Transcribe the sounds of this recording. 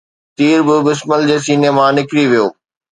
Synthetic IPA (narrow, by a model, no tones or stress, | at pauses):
t̪iːɾbɪbɪsməld͡ʑeːs̬iːneːmãnɪkɾiʋijoː